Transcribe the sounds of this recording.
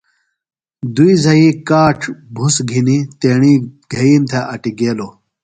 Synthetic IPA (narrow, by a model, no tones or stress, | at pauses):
d̪uizɐikaːʈ͡ʂʰbʱusɡʱinit̪eːɳiɡ̥ʱɐiːmt̪ʰeʔɐʈiɡeːlo